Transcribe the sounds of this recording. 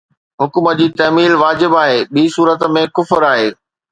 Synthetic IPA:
ɦʊkuməd͡ʑiːt̪ɐɦmiːlʋaːd͡ʑɪbaːɦeːɓiːsuːɾət̪mẽkʊfəɾaːɦeː

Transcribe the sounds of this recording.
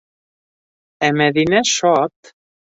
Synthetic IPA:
ɛmɛðinɛʃɔt̪

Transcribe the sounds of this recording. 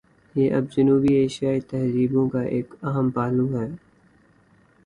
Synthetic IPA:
jeːʔɐb̚d͡ʒɐnuːbieːʃijaːet̪ɛɦziːbõkaʔeːkɐɦəmpaːlũɦɛː

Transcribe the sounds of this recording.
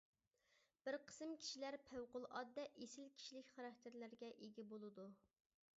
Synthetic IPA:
b̥ɪɾqʰə̥sɨmkʲʰi̥ʃilæɾpʰæwqʊlˠɑd̪ːɛʔesɪlkʲʰi̥ʃilɪkʲχɑɾɑk̚ʲt̪ʰɪɾlæɾɡʲɛʔeɡʲibolˠɨd̪u

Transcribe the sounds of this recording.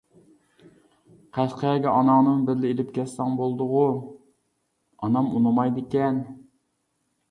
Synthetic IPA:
qʰæʃqʰəɛɡʲɛɑnɑŋnɨnbɪɾlɪelɪp̚kʲʰɛt̪sɛŋbolˠd̪ʊʁʊ | ɑnɑmunɨmɑjd̪ɪkʲɛn

